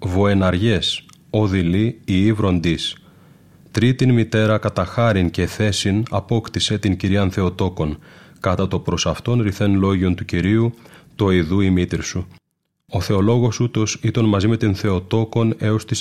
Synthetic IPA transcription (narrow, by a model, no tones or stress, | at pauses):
vo̞e̞nɐɾʝe̞s | o̞ðiliiːvɾo̞nd̪is | t̪ɾit̪inmit̪e̞ɾɐkɐt̪ɐxɐɾince̞θe̞sinɐpo̞kt̪ise̞t̪iɲciɾiɐnθe̞o̞t̪o̞ko̞nkɐt̪ɐt̪o̞pɾo̞sɐft̪o̞nɾiθe̞nlo̞ʝio̞nt̪uciɾiut̪o̞iðuimit̪iɾsu | o̞θe̞o̞lo̞ɣo̞sut̪o̞sit̪onmɐzime̞t̪inθe̞o̞t̪o̞ko̞ne̞o̞st̪is